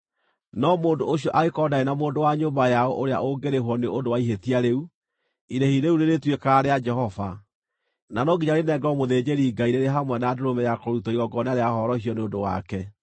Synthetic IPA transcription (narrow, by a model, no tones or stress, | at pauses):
nɔmoːndooɕ̬iɔʔaɣekɔdaenamoːndowaɲobajaɔʔoɾea̰ʔoɡeɾeɦwɔneodowaiɦetiaɾeu | iɾehiɾeuneɾetwekaɾead͡ʒɛhɔva̰ | nanɔɡiɲaɾenɛɡɔmoðed͡ʒeɾiɡaiɾeɾeɦamwɛnaadoɾomɛjakɔɾutɔiɾɔɡɔneaɾeahɔɾɔhiɔneodowa̰kɛ